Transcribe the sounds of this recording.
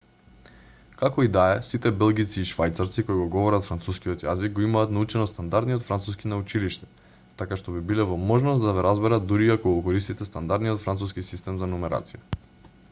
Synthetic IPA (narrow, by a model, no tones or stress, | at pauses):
kakɔid̪aɛsit̪ɛbɛlˠɡit̪siːʃvajt̪saɾt̪sikoiɡɔɡɔvɔɾat̪fɾant̪suskiɔt̪jazik̚ɡoimaːt̪naut͡ʃɛnɔst̪and̪aɾd̪nijot̪fɾant̪suskinaut͡ʃiliʃt̪ɛ̥ | t̪akaʃt̪obibilɛvɔmɔʒnɔst̪d̪avɛɾazbɛɾat̪d̪uɾiakoɡɔkɔɾist̪it̪ɛst̪and̪aɾd̪nijot̪fɾant̪suskisist̪ɛmzanumɛɾa̰t̪sija